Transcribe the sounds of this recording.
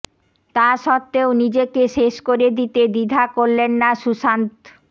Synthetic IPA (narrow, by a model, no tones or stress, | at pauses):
t̪aɾʃɔt̪ːeonid͡ʑekeʃeʃkoɾed̪it̪ed̪id̪ʱakoɾlenːaʃuʃant̪